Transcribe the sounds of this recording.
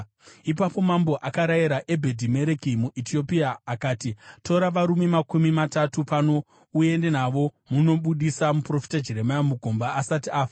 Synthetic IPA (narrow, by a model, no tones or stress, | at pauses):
ipapo̞mamboʔakaɾajiɾaʔe̞bʱe̞dʱime̞ɾekimuʔitʰio̞piaːkaːtitʰo̞ɾaʋaɾumemakumimatatupano̞ | uje̞nde̞naʋo̞muno̞ɓuɗisamupro̞fi̥tad͡ʒeɾe̞majamuɡʱo̞mbaʔːsatiaːfi